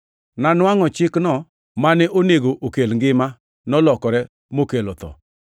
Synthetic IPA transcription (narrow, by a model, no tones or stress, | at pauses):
nanwaŋɔt͡ʃɪknɔ | manɛʔoneɡoʔokelŋɡɪma | nɔlɔkɔɾɛ | mokelot̪ɔ̰